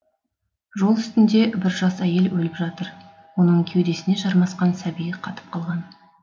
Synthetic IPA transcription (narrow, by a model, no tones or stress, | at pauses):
ʒo̞lˠʏst̪ɪnd̪e̞bɪɾʒɑsæje̞lwɵlɪpʒɑt̪əɾ | wo̞nəɴkʲʰe̞wd̪e̞sɪne̞ʒɑɾmɑsqɑnsæbijɪqʰɑt̪ə̥p̚qʰɑlˠʁɑn